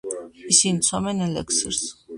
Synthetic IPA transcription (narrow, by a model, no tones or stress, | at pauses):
isint͡s̪ʰɔmɛnɛlɛ̰ksəɾs